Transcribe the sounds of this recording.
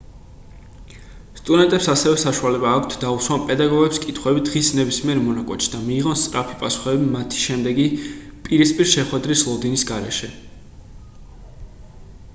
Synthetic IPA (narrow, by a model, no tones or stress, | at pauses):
st̪ʼud̪ɛnt̪ʼɛpsasɛvɛsaʃualɛbaːkʰt̪ʰd̪auswanpʼɛd̪aɡɔɡɛpskʼit̪ʰχwɛbid̪ʁisnɛbismiɛɾmɔnakʼɛ̰t̪ʃi̥d̪amiːʁɔnst̪sʼɾapʰipʼasu̥χɛbimat̪ʰi̥ʃɛmd̪ɛɡipʼiɾispʼiɾʃɛχwɛd̪ɾislˠɔd̪inisɡaɾɛʃɛ